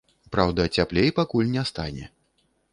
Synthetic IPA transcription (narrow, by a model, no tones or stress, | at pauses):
pɾawd̪ɐt͡sʲaplʲejpakulʲnʲɛst̪anʲɛ̰